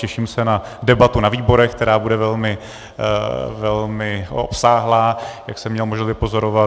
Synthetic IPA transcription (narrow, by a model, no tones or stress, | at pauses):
cɛʃiːmsɛnadɛbat̪unaviːbo̞ɾɛxkt̪ɛɾaːbudɛvɛlmɪ | vɛlmɪo̰psaːɦlaːjaksɛmːɲɛlmoʒnavɪpo̞zo̞ɾo̞va